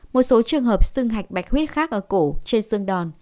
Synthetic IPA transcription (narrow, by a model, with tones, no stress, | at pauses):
mo˨˩t̚so˨˦t͡ɕɨ˨˩əŋɦəː˨˩p̚sɨ˧ŋɦa˨˩jk̟̚ɓa˨˩jk̚hwi˦˥ət̚xaː˦˥k̚ʔəː˧˩ko˧˩t͡ɕe˧nsɨ˧əŋɗɔ˨˩n